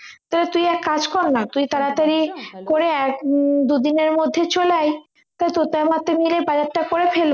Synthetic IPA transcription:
t̪alet̪ujɛkːad͡ʑkɔɾnat̪ujt̪aɾat̪aɾikoɾeɛkd̪ud̪ineɾmod̪ʱːet͡ɕolaj | t̪ajt̪ut̪amat̪emilebad͡ʑatːakoɾefʰel

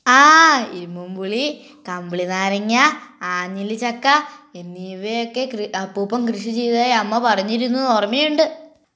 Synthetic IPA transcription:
aːiɾumumbuɭi | kɐmbiɭinaːɾɐŋːaaːɲːilit͡ɕɐkːaenːiːʋejokːekrɐpːuːpːɐmkrɨʂit͡ɕe̞jt̪aːjɐmːɐpɐrɐɲːiɾunːuoːrɐmːijuɳɖɨ

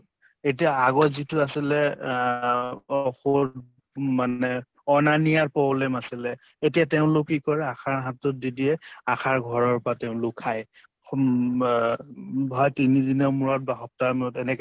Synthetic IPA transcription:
et̬ijaaɡɔtzituasilɛ | xo | manɛ | ɔnanijaɹpɹɔblɛmasilɛ | etijateʊ̃lʊkːikɔɹɛakʰaɹɦatɔt̚didiɛaxʰaɹɡʱɔɹɔɹpɔɹateʊ̃nlʊkʰːaj | bʱɔjtinidinɔmuɹɔt̚baxɔp̚taɹmɛɔtɛnɛk

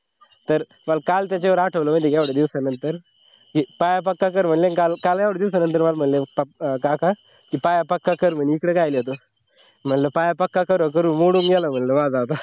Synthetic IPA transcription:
t̪əɾ | malkalt̪̬jat͡ɕaʋəɾaʈʰəʋləmənt̪ekjaʋɽəd̪iʋsənənt̪əɾ | kipajapəkːakəɾm̤əɳlenkalkaljaʋɽəd̪iʋs̬ənə̃nt̪əɾmalm̤əɳlepkakã | kipajapəkːakəɾm̤ənikɽekajliot̪o | m̤əɳləpajapəkːakəɾok̬əɾuːnmoɽuːŋɡɛləm̤əɳləʋad͡zaʋt̪a

